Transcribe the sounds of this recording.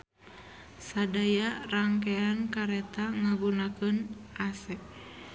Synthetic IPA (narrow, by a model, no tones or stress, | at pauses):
sadajaraŋkɛankaɾɛt̪aŋaɡunakənʔasɛk